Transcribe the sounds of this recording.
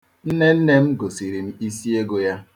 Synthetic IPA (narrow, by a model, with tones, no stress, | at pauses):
n̩˦ne˦n̩˦ne˦m̩˦ɡo˨si˨ɾi˨m̩˦i˦si˦e˦ɡo˦ja˦